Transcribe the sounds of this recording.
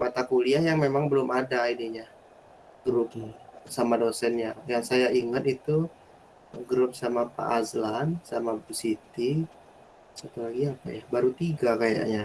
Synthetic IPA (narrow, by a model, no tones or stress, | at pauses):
bat̪akuliahjaŋmemaŋbəlʊmadaidiɲa | ɡ̥ɾʊp̚samadosɛnɲajaŋsajaiŋət̪it̪u | ɡɾʊp̚samapa̰ʔːzlansamabusit̪i | sat̪ulaɡiapa̰jahbaɾut̪iɡakaja̰ʔɲa